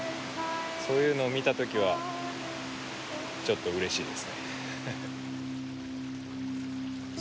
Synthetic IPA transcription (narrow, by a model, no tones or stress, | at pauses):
so̞ːjɯ̟ːno̞ːmʲit̪at̪o̞kʲiβ̞a | t͡ɕo̞t̪ːo̞ɯ̟ɾe̞ɕiːd̪e̞sɨne̞